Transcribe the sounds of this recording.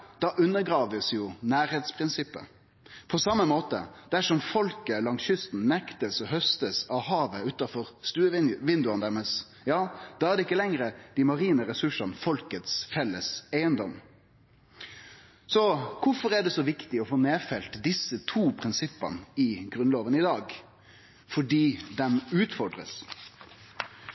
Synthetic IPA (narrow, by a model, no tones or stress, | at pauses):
d̪̥ɑʔʉnːəɾɡɾɑːʋəsjʊnæːɾheːt̪spʰɾɪnsɪpːə̰ | pʰɔsɑmːəmoːt̪ə̰d̪̥æʂɔmfɔlkəlɑŋsjʏst̪n̩nɛkt̪əsɔɦœst̪əsɑʋɦɑːʋəʉːt̪ɑfɔɾst̪ʉːəɪʋɪnd̪ʉɑnd̪æɾmɛs | jɑːd̪̥ɑːæɾd̪ɛɪkːəlɛŋɾəd̪̥ɪmɑɾiːnəɾɛsʉʂɑnfɔlkət̪sfɛlːəsæɪənd̪ɔm | sɔkʰʊfɔʁæɖɛsɔʋɪkt̪ɪɔfoːneːfɛlt̪d̪ɪsːət̪ʰuːpʰɾɪnsɪpːə̰nɪɡɾʉnloːʋənɪd̪ɑːɡ | fɔɖiːd̪ɛmʉːt̪fɔɖʁə̰s